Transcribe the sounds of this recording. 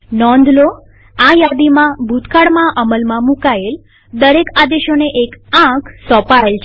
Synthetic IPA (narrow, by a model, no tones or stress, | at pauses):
nɔ̃nd̪ʱlo | ajad̪imãbʱut̪kaɽmãʔəməlmãmukael | d̪əɾekad̪eʃoneʔekãkʰsɔpaelt͡ʃʰ